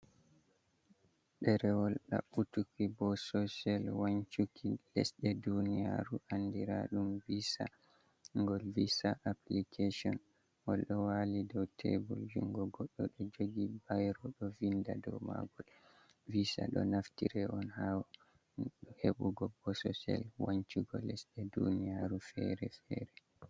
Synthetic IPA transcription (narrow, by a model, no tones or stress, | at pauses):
ɗɛɾɛwɔlɗa̰ɓutukibɔsɔsalwaɲt͡ʃukʰilɛ̰sɗɛdunija̰ɾuʔandiɾa̰ɗumvisa̰ | ŋɡɔlvisaʔaplikʰasɔ̰n | wɔlɗɔwalidɔwtʰḛbuld͡ʒuŋɡɔɡɔɗːɔɗɔd͡ʒoɡibajɾɔɗɔvindadɔwma̰ɡɔl | visa̰ɗɔ̰naftiɾɛʔɔnhaw | ɗɔheɓuɡɔbɔsɔsɛ̰lwaɲt͡ʃuɡɔlɛsɗɛdṵnijaɾufɛɾɛfɛɾɛ